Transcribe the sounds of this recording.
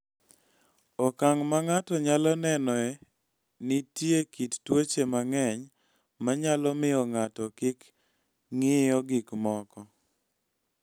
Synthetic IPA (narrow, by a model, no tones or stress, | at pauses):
ɔkaŋmaŋatɔɲalɔnɛnɔɛ | nɪtjekittwot͡ʃemaŋɛɲ | maɲalɔmɪɔŋatɔkɪk | ŋɪɔɡɪkmɔkɔ